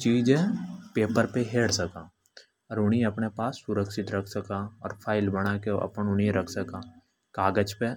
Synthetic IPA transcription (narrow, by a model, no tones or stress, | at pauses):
t͡ʃiːd͡ʒɛpeːpəɾpeɦeːɽsɐkaː | ɔːɾʊɽ̃iɐpnepaːsːʊɾəkʃɪt̪ɾɐkʰsɐkaɔːɾpʰaːɪlbəɽ̃akeɐ̰pənʊɽiɾɐkʰsəkaː | kaːɡət͡ʃpe